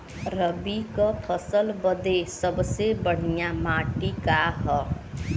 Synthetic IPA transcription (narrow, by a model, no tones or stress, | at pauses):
ɾəbikəpʰəsəlbəd̪esəbsebəɽ̤ijamaʈikaɦɔ